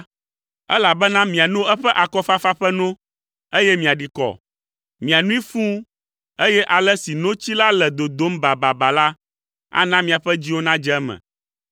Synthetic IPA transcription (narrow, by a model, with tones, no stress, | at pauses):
ɛ˦la˨bɛ˦nã˦mĩ˨a˨nõ˦ɛ˦ɸɛ˦ʔa˨kɔ˦fa˦fa˦ɸɛ˦nɔ̃˦ | e˦jɛ˦mĩ˨a˨ɖi˨kɔ̰˨ | mĩ˨a˨nũ˦i˦fũ˦ | e˦jɛ˦ʔa˨lɛ˦si˨nõ˦t͡ɕi˦la˦lɛ˨d̪o˨d̪o˦mba˨ba˨ba˨la˦ | a̰˦nã˦mĩ˨a˨ɸɛ˦d͡ʑi˦wo˦nã˦d͡ʒɛ˦ɛ˦mɛ̰̃˨